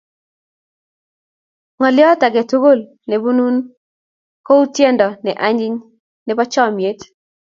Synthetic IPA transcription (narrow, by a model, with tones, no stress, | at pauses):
ŋɔ˨lɪ˦ɔ˦ta˨ɡɛ˨tu˦ɡo˦˨l | ne˨bu˦nu˦n | ko˦u˦tjɛ˦ndɔ˨nɛ˨ʔa˦ɲi˦ɲ | nɛ˨pa˦t͡ʃɔ˦˨mje˦t